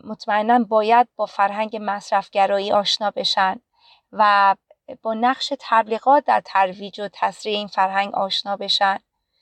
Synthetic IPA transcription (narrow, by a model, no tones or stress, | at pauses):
mot̪ʰmæenːænbɒːjæd̪̚bɒːfæɾɦæŋɟe̞mæsɾæfɟæɾɒːiːʔɒːʃnɒːbe̞ʃæn | væ | b̥ɒːnæɣʃe̞t̪ʰæbliːɣɒːt̪̚ʰd̪æɾt̪ʰæɾviːd͡ʒot̪ʰæsɾiːeiːnfæɾɦæŋɟɒ̰ːʃnɒːbe̞ʃæn